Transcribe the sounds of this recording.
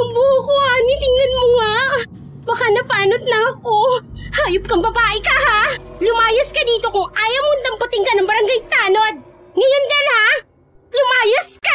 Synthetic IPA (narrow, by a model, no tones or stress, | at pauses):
sʊmbuːhʊkohanit̪ɪŋnɐnmoŋa | bɐkanɐpaːnot̪̚nɐɐko̞haːjop̚kɐŋbɐbaːʔɪkɐhalʊmaːjɐskɐd̪iːt̪o̞kʊŋʔaːjɐmond̪ɐmpɐt̪ɪŋkɐnɐŋbɐɾɐŋɡajt̪aːnod̪̚ | ŋɐjonɡ̪ɐnha | lʊmaːjɐska